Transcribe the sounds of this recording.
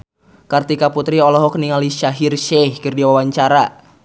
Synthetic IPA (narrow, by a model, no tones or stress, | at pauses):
kart̪ikaput̪ɾiɔlɔɦɔkniŋaliʃaɦirʃɛhkɨrdiwawaɲt͡ʃaɾa